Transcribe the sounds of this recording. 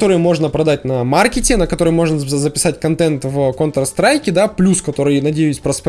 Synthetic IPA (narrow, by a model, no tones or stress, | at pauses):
t̪o̞ɾɨjmo̞ʐnəpɾɐd̪at̚ʲnɐmarkʲɪtʲɪnəkɐt̪o̞ɾəjmo̞ʐnəzəpʲɪ̥satʲkɐnt̪ɛnt̪vkont̪ɾəst̪ɾajkʲɪd̪aplʲuskɐt̪o̞ɾɨjnɐdʲejʊsʲpɾəsp